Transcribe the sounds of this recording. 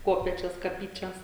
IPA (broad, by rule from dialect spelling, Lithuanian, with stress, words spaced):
ˈkoːpʲeːt͡ʃʲoːs kɐˈpʲiːt͡ʃʲɛs